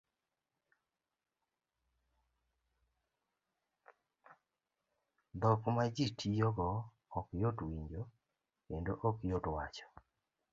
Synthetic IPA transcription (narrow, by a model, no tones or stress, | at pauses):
d̪ɔkmad͡ʒitʰijɔɡɔ | ɔkjotwiɲd͡ʒo | kendoʔɔkjotwat͡ʃɔ̥